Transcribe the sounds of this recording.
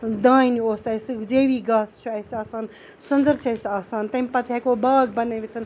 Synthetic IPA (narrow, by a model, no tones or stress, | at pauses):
d̪ãːinioːsɐjsd͡ʒeːʋiːɡaːst͡ʃʰuɐjsaːsaːn | sund͡zɐɾt͡ʃʰɐjsaːsaːnt̪ɐmʲpɐt̪ʰjakobaːɡbɐneʋit͡s̪ʰɐn